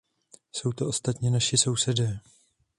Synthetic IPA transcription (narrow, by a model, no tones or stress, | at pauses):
so̞wt̪o̞ʔost̪at̪ɲɛnaʃɪso̞wsɛdɛː